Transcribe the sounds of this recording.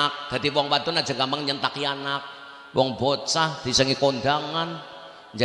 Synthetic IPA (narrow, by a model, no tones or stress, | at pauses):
ak̚d̪̥ad̪iwɔŋwad̪ɔnad͡ʒa̤ŋɡambaŋɲənt̪akianak̚ | wɔŋbot͡ʃahd̪̥isəŋikond̪aŋan | ɲd͡ʒa